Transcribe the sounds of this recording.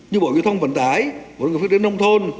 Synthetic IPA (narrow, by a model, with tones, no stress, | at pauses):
ɲɨ˧ɓo̰˨˧˨vi˧˩˦t̪ʰə˧wŋ͡mvə̰˧˨nt̪aː˧˩jo̰˨˩ŋ˨˩f̚t̪i˨˦nə˧wŋ͡mt̪ʰo˧n